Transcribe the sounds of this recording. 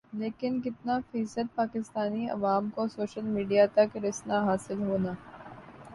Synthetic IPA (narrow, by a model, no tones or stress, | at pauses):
leːkɪnkɪt̪nafiːsəd̪̚paːkɪst̪aːniɐ̰ʋaːmkosoːʃəlmiːɖijat̪ɐkɾɪsnaɦaːsɪlɦoːnaː